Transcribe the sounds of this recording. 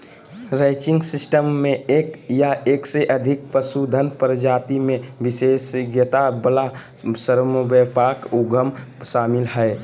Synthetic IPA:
ɾaɪt͡ʃɪ̃ŋɡsɪsʈəmːẽeːkjaeːkseʔəd̪ʱɪk̚pəsud̪ʱənpɾəd͡ʒaːt̪imẽbisesɡjət̪abəla | səɾmobɛpakuɡʱəmʃaːmɪlɦɛe

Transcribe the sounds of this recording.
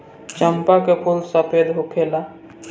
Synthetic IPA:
t͡ʃəmpakepʰulsəpʰed̪ɦokʰela

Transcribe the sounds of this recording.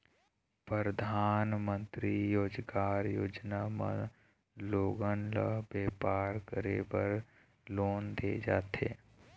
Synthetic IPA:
pɾəɾəd̪ʱaːnmə̃nt̪ɾijoːd͡ʒkaːɾjoːd͡ʒnamə̰̃ | loːɡənlə̰ɦbeːpaːɾkəɾebəɾ | loːnd̪ed͡ʒaːt̪eː

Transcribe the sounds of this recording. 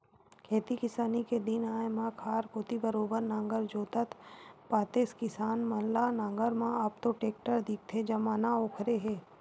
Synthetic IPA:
kʰeːt̪ikɪsaːniked̪ɪnaːemãkʰaːɾkoːt̪ibəɾoːbəɾnãːŋɡəɾd͡ʒoːt̪ət̪ʰpaːt̪eːskɪsaːnmɐnlanãːŋɡəɾmãaːp̚t̪oʈeːk̚ʈəɾd̪ɪk̚t̪ʰed͡ʒɐmaːnaoːkʰɾeɦeː

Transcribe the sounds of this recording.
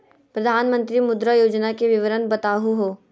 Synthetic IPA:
pɾɐd̪ʱaːnmə̃nt̪ɾimʊd̪ɾajoːd͡ʒnakeʋɪʋəɾənbɐt̪aːɦuɦoː

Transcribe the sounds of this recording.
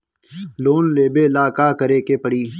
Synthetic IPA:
loːnleːbeːlaːkaːkəɾeːkeːpəɽiː

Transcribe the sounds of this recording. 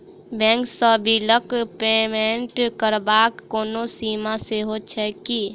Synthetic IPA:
bɛ̃ːŋksəbʱiləkpeːmẽɳʈkəɾbaːkːoːnosiːmaseɦot͡ʃʰɛki

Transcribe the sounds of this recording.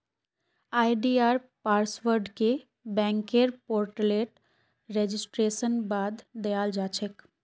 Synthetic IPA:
aːjɖiaːɾpaːɾsʋəɾɖke | bɛ̃ːŋkeɾpoːɾʈəleːʈ | ɾed͡ʒɪsʈɾeːʃənbaːd̪ːejaːld͡ʒaːt͡ʃʰek

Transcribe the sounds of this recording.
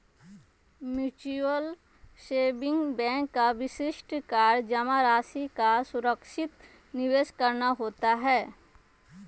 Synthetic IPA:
mjuːt͡ʃuəl | ʃeːbɪ̃ŋɡbɛ̃ːŋkːaʋɪʃɪʃʈkaːɾd͡ʒɐmaɾaːsikasʊɾəkʃɪt̪ | nɪʋeːʃkɐɾnaɦoːt̪aɦɛː

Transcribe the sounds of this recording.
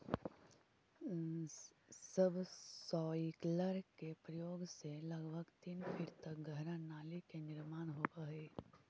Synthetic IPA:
səbsɔːikləɾkepɾəjoːɡselɐɡbʱəɡt̪iːnpʰɪɾt̪ɐk̚ɡəɦɾãnaːlikenɪɾmaːnɦoːbəɦeː

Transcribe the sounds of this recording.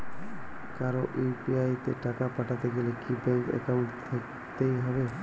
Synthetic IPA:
kaɾoʔepiajt̪eʈakapaʈʰat̪eɡelekibɛŋkɛ̰kawɳʈt̪ʰek | t̪ejɦɔbe

